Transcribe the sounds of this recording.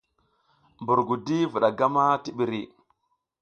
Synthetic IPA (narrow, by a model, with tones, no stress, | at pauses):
mbu˨ɾɡu˨di˦vu˨ɗa˨ɡa˦ma˦ti˦ɓi˨ɾi˨